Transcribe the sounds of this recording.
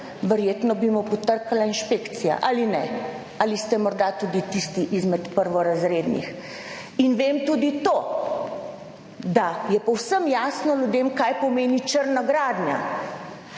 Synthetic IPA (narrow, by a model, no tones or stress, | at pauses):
ʋəɾjeːt̪nɔbimɔpɔt̪əɾkalainʃpeːkt̪sija̰ʔalinɛ | alist̪ɛmɔɾd̪at̪uːd̪it̪ist̪iʔizmɛt̪pəɾʋɔɾazɾeːd̪nḭx | inʋeːmt̪uːd̪it̪oː | d̪ajɛpɔwsəmjaːsnɔljud̪eːmkajpɔmeːnit͡ʃəɾnaɡɾaːd̪nja̰